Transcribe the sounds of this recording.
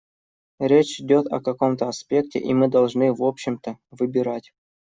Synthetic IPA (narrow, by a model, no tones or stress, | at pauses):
ɾʲet͡ɕɪdʲot̪ɐ̰kɐko̞mt̪əɐspʲe̞k̚tʲɪ̰ʔimɨd̪ɐlˠʐnɨvopɕːɪmt̪əvɨbʲɪɾatʲ